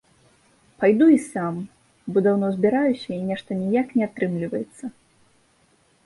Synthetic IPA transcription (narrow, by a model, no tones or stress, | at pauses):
pajd̪uisam | bɔd̪awnɔzʲbʲiɾajusʲɐinʲɛʂt̪ɐnʲijaknʲɛat̪ɾɨmlʲivɐjɛt̪sːɐ